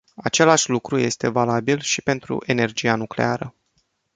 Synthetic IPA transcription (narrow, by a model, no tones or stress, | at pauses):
at͡ʃe̞laʃʲlukɾuje̞st̪e̞valabilʃipe̞nt̪ɾṵʔe̞ne̞rd͡ʒianukle̞̰aɾə